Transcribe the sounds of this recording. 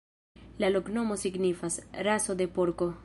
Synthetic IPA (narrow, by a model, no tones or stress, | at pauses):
laloknomosiɡnifasrasod̪epoɾko